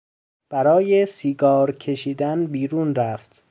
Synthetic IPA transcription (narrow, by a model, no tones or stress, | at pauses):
b̥æɾɒːjesiːɡɒːɾcʰe̞ʃiːd̪ænbiːɾuːnɾæft̪